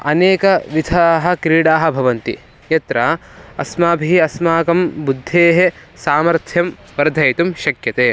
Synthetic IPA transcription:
ɐ̰neːkɐʋid̪ʱaːɦɐ̆kɾiːɽaːɦɐ̆bʱɐʋɐnt̪ḭ | jɐt̪ɾɐɐsmaːbʱiɐsmaːkɐmbud̪ʱːeːɦesaːmɐɾt̪ʰjɐm | ʋɐɾd̪ʱɐjt̪umʃɐkjɐt̪eː

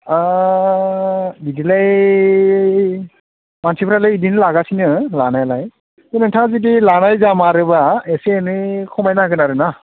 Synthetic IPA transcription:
a | didilaj | mansʰipʰɾalɯjidinɯlaɡasinɯlanajlaj | kɯnɯntʰazid̬ilanajzamaɾɯbaeseːnɯkʰɔmajnaɡɯnaɾɯna

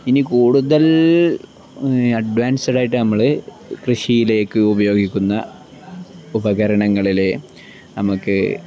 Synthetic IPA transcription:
inikuːɽuðɐl | ɐɖʋaːnsiɽaːjiʈːɨnɐmːɐɭɨ | krɨʂijile̞ːkːɨubɐjo̞ːɡikʲːunːɐ̰ | ubɐɣɐɾɐɳɐŋːɐɭile | nɐmukːɨ

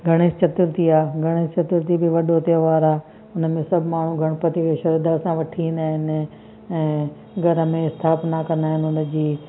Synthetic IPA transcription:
ɡʱɐɽ̃est͡ɕɐt̪ɪɾt̪iaːɡʱɐɽ̃est͡ɕɐt̪ɪɾt̪ibɪʋɐɗot̪ijə̃ʋaːɾaː | ʊnmẽsɐbʱmaːɳ̤ũɡʱɐɽ̃pɐt̪ikʰeʃɐɾid̪aːsãʋɐʈʰiĩnd̪aːɦɪnɪ | ɛ̃ː | ɡʱɐɾəmẽɪst̪ʰaːpnakɐ̃nd̪aːɦɪnɪʊnə̆d͡ʑiː

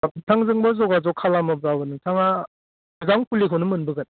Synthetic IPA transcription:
tʰaŋzɯŋbɔzɔɡazɔkʰalamɯb̚zabɯnɯtʰaŋa | ɯzaŋpʰulikʰɯnɯmɯnbɯɡɯn

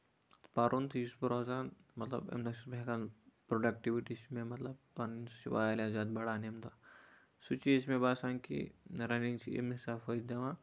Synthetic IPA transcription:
t̪paɾunt̪ʰjuspuɾaːzaːnmɐt̪lɐ̰bḛmnɐsbekanpɾoɖɐkʈiʋiʈismemɐt̪lɐbpɐɾnsiʋa̰ːjlazaːd̪̚bɐɽaːnemd̪a | sut͡ʃiesmẽbaːsaŋkḭɾɐniŋt͡ʃiḛmisaːfɐjt̪d̪ɐʋã

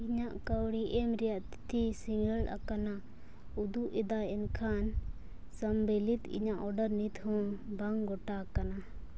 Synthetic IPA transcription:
iɲaʔkəwɽiʔɛmɾɛjaʔt̪t̪ʰisiŋɡəla̰kana | ud̪uʔɛd̪aɛnkʰan | səmbɛlit̪ḭɲaʔɔɖəɾnit̪hɔ̃baŋɡɔʈakana

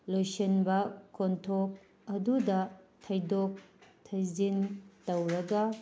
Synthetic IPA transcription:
lojsenbɐkontʰok̚ | ɐdudɐtʰɐjdok̚tʰɐjzintɐwɾɐɡɐ

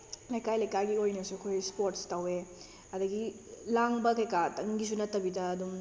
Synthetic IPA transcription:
lɐjkajlɐjkajɡiojnɐsukʰojspoɾtstɐwe | ɐdɐɡi | laŋbɐkejkatɐŋɡis̬unɐtːɐbidɐːdum

